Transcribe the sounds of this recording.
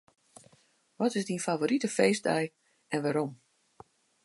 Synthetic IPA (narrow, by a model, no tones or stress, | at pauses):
ʋɔtɪsdinfavoːɾitəfeːsdɛj | ɛnʋaɾom